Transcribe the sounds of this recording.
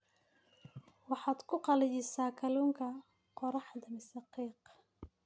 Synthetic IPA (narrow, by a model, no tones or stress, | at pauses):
wɑħɑːd̪kʰʊqɑlɪjɪsaːkʰɐluːŋkʰɐ | qɔɾɑħd̪ɐmɪsɑqiːq